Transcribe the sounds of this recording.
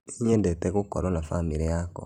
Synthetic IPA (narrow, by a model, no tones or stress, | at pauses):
iɲɛndɛtɛɣokɔɾɔnafamiɾejakɔ̰